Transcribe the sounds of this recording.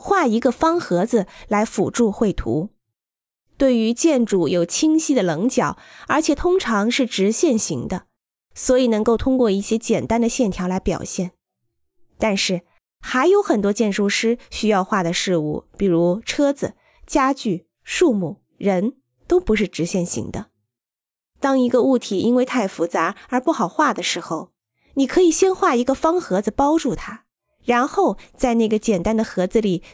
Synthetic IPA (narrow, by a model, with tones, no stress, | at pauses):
xwa˥˩i˧˥ɡə˧fɑ˥ŋxɤ˧˥d͡zɹ̩˧la˧˥ɪfu˨˩ʈ͡ʂu˥˧xwe˥˩ɪt̪ʰṵ˧˥ | t̪we˥˩ɪy˧˥t͡ɕjɛ˥˩nʈ͡ʂu˨˩jo˨˩ʊt͡ɕʰi˥ŋɕi˥d̪ə˨lɤ˧˥ŋt͡ɕjɑ˨˩˦ʊə˞˧˥t͡ɕʰjɛ˨˩t̪ʰʊ˥ŋʈ͡ʂʰɑ˧˥ŋʂɻ̩˥˩ʈ͡ʂɻ̩˧˥ɕjɛ˥˩nɕi˧˥ŋd̪ə˧ | swɔ˧˥i˨˩nɤ˧˥ŋko˥˩ʊt̪ʰʊ˥ŋkwɔ˥˧i˥˩ɕjɛ˥t͡ɕjɛ˨˩nt̪a˥nd̪ə˨ɕjɛ˥˩nt̪ʰjɑ˧˥ʊla˧˥ɪpjɑ̰˨˩ʊɕjɛ˥˩n | t̪a˥˧nʂɻ̩˥˩ | xa˧˥ɪjo˧˥ʊxə˨˩nt̪wɔ˥t͡ɕjɛ˥˩nʂu˥˩ʂɻ̩˥ɕy˥jɑ˥˧ʊxwa˥˩d̪ə˩ʂɻ̩˥˧ṵ˥˩pi˨˩ɻu˧˥ʈ͡ʂʰɤ˥d͡zɹ̩˩ | t͡ɕja˥t͡ɕy˥˩ | ʂu˥˧mu˥˩ | ɻə˧˥n | t̪o˥ʊpu˧˥ʂ̬ɻ̩˥˩ʈ͡ʂɻ̩˧˥ɕjɛ˥˩nɕḭ˧˥ŋd̪ə̰˧ | t̪ɑ˥ŋi˧˥ɡə˧u˥˩t̪ʰi˨˩ʔi˥nwe˥˧ɪt̪ʰa˥˩ɪfu˧˥t͡sa˧˥ə˞˧˥pu˥˩xɑ˨˩ʊxwa˥˩d̪ə˩ʂɻ̩˧˥xo˥˧ʊ | ni˨˩kʰɤ˧˥i˨˩ɕjɛ˥nxwa˥˩i˧˥ɡə˧fɑ˥ŋxɤ˧˥d͡zɹ̩˧pɑ˥ʊʈ͡ʂu˥˩t̪ʰa˥ | ɻa˧˥nxo˥˧ʊt͡sa˥˧ɪna˥˩ɡə˩t͡ɕjɛ˨˩nt̪a˥nd̪ə˨xɤ˧˥d͡zɹ̩˧li˨˩